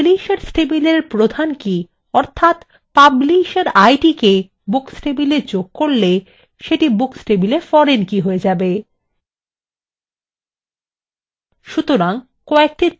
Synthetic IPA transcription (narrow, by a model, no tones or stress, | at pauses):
liʃaɾsʈebileɾpɾod̪ʱanki | ɔɾt̪ʰat̪ | pabliʃaɾajʈike | buksʈebiled͡ʑoɡkoɾle | ʃeʈibuksʈebilefɔɾenkiɦoed͡ʑabe | ʃut̪oɾaŋ | kɔek̚ʈi